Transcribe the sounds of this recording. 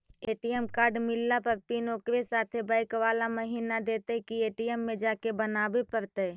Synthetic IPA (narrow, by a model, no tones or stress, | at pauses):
eːʈijəmkaːɾɖmɪlːapəɾpinoːkɾesaːt̪ʰebəɪkʋaːlaməɦiːnad̪eːt̪eɦkieːʈijəmːẽd͡ʒaːkebənabepəɾt̪ə